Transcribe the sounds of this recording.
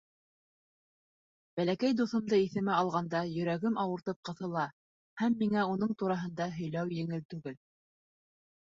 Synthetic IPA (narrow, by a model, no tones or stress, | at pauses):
b̥ælækæjd̪uθɤ̆md̪ɤiθɘ̆mɘɑlˠʁɑnd̪ɑjɵ̆ɾæɡɘmʔɑwɤ̆ɾt̪ɤp̚qɤ̆θɤ̆lˠɑ | hæmːiŋæun̪ɤɴt̪uɾɑɦɤ̆nd̪ɑɦɵ̆jlæwjɘ̆ŋɘlt̪ʉɡɘl